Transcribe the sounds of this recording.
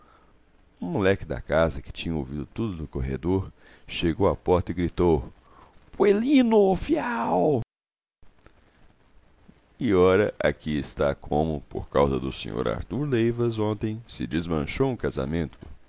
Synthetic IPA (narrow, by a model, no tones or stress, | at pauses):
ũmulɛkɪd̪ɐ̰kazɐkɪ̥t͡ʃĩɲɐo̰wvid̪ʊt̪ud̪ʊnʊkoɦḛd̪oɾ | ʃeɡowapɔɾt̪ɐɪɡɾit̪ow | pwelinʊfiaw | ɪɔɾɐʔakiɪst̪akʰõmʊpo̰ɾkawzɐd̪ʊsḛ̃ɲo̰ɾa̰ɾt̪uɾlejvɐzõnt̪ẽj̃sɪ̰d͡ʒɪzmɐ̃ʃowũkaza̰mẽnt̪ʰʊ̥